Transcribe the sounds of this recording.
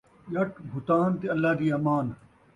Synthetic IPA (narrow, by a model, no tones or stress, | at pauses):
ʄɐʈbʱʊt̪aːnt̪iɐlːaːd̪iːɐmaːn